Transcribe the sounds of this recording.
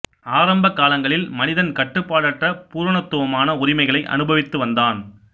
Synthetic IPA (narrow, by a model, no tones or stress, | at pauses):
aːɾɐmbɐkːaːlɐŋɡɐɭɪlmɐnɪðɐnkɐʈːɯpːaːɽɐʈːrɐpuːɾɐɳɐt̪ːɯʋɐmaːnɐʊɾɪmɐɪɣɐɭɐɪʔɐ̰nɯbɐʋɪt̪ːɯʋɐnd̪aːn